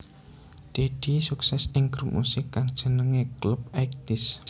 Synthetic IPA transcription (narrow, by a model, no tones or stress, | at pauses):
d̪̥ed̪̥isuksɛsɪŋɡ̥ɾup̚mṵsɪkːaŋd̥ʒ̥ə̤nəŋeklup̚ɛk̚t̪ɪs